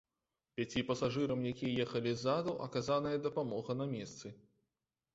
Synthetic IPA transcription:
pʲat͡sʲipɐsaʐɨɾɐmjakʲijɐjɛxɐlʲizːad̪uʔɐ̰kazanɐjɐd̪ɐpamɔɣɐnɐmʲɛst̪sɨ

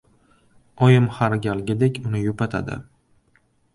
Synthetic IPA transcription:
ɒjɪmhaɾɡʲalɡʲad̪ekʲʰʊnɪjʊpat̪ʰa̰d̪ɪ̰

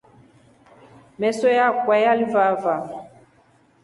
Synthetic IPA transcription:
mɛsɔjakwɛjalivava

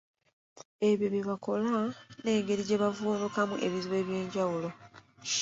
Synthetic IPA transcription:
e̞βjo̞βjeβako̞lane̞ːŋɡe̞ɾiɟe̞βavuːnukamuʔe̞βiziwe̞ːβje̞ːɲɟawulo̞

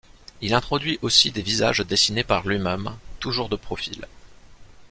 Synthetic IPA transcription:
ilɛ̃t̪χɔd̪ɥiʔosid̪eviza̰ʒd̪esinepaʁlɥimɛmt̪uʒuʁd̪əpχɔfil

